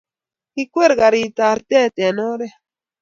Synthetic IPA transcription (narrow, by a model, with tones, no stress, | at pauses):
i˦kʷwe˦˨ɾɡa˨ɾi˨t̪a˨ɾt̪ɛ˦˨t̪e˨no˦ɾɛ˦